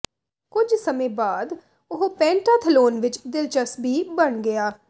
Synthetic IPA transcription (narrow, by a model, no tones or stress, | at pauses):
kʊd͡ʒsəmẽːbaːd̪ | ʊɦopɛ̃ːɳʈaːt̪ʰəloːnʋɪt͡ʃd̪ɪlt͡ʃəsbʱiːbəɳɡɪaː